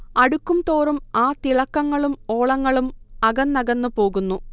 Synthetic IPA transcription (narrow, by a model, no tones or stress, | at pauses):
ɐɽukːumt̪oːrumaːt̪iɭɐkːɐŋːɐɭumo̞ːɭɐŋːɐɭumɐɡɐnːɐɡɐnːɨpo̞ːɣunːu